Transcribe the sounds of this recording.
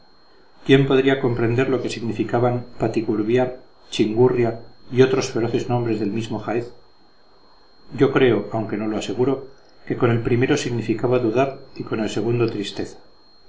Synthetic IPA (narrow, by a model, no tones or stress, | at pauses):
kjempo̞ðɾiako̞mpɾe̞nd̪e̞ɾlo̞ke̞siɣnifikaβampat̪ikuɾβjaɾ | t͡ʃiŋɡurjaio̞t̪ɾo̞sfe̞ɾo̞θe̞znõ̞mbɾe̞zðe̞lmizmo̞xaeθ | ɟ͡ʝo̞kɾe̞o̞awŋke̞no̞lo̞ase̞ɣ̞uɾo̞ | ke̞ko̞ne̞lpɾime̞ɾo̞siɣnifikaβaðuðaɾiko̞ne̞lse̞ɣ̞und̪ot̪ɾist̪e̞θḁ